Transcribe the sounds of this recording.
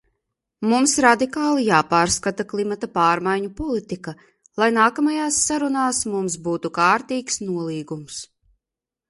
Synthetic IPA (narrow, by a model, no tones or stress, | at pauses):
mumsɾad̪ikaːlˠijaːpaːɾskat̪aklˠimat̪apaːɾmajɲupɔlˠit̪ika | lˠajnaːkamajaːsːaɾunaːsmumsbuːt̪ukaːɾt̪iːksnuɔlˠiːɡums